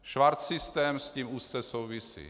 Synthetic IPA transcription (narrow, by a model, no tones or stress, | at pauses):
ʃvaɾt̪sist̪ɛːmsciːmust͡sɛsowvisḭː